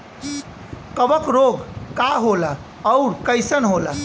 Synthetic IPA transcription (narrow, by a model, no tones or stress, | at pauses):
kəbəkɾoɡkaɦola | əuɾkəjsənɦola